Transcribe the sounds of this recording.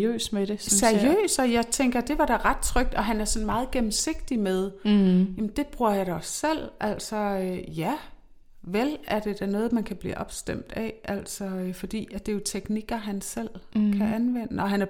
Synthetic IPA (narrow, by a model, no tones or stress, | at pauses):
ø̰ːsmed̥esseɐiø̰ːsɒ̽jɑ̈ɪt͡sʰeŋɡ̥ɐd̥e̝ʋɑ̈ɾ̥æʁɑ̈d̥̚t͡sʰʁœɡ̥̚d̥ɒ̽ɦænæɐsɒ̽nmɑ̈ːð̞̩ˠɡ̥emm̩se̝ɡ̥̚d̥imeðˠjæmn̩d̥e̝b̥ʁuɐ̰jɑ̈ɾ̥ɑsel̰ʔæl̰sɒjæ | ʋelæɐd̥e̝d̥ænɔ̽ːð̩ˠmænkʰæb̥lḭːʔɒ̽b̥sd̥em̰d̥æʔæl̰sɒ̽øfɒ̽d̥ḭːædd̥e̝jo̝t͡sʰeɡ̥niɡ̥ɐɦænsel̰kʰæʔænʋen̰əɒ̽ɦænæɐ